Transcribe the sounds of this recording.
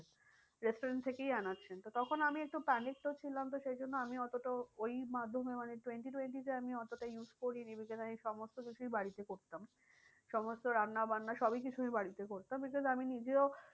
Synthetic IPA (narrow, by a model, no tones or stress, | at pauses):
ɾesʈoɾenʈt̪ʰekejanatːɕʰent̪ot̪ɔkʰonamiek̚ʈupɛnik̚ʈot͡ɕʰilamt̪oʃejd͡ʑʱonːoamiɔt̪oʈaojmad̪ʱːomemaneʈweɳʈiʈweɳʈit̪eamiɔt̪oʈajuskoɾinibikɔzamiʃɔmost̪okit͡ɕʰujbaɽit̪ekoɾt̪am | ʃɔmost̪oɾanːabanːaʃɔbik̬it͡ɕʰuibaɽit̪ekoɾt̪ambikɔzaminid͡ʑeo